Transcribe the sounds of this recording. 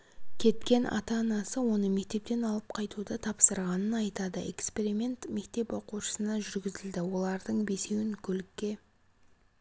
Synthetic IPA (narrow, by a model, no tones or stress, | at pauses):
kʲʰe̞t̪kʲe̞nʔɑ̰t̪ɑːnɑsəwo̞nəme̞k̚t̪e̞p̚t̪e̞nɑlˠəp̚qʰɑjt̪ud̪ət̪ʰɑpsəɾʁɑnənɑjt̪ɑd̪əe̞kspe̞ɾʲimʲe̞nt̪me̞kt̪e̞pwo̞quʃə̥sənɑʒʏɾɡʲɪzɪld̪ɪwo̞lˠɑɾd̪əɴbe̞se̞wɪŋkʲʰɵlɪkʲːe̞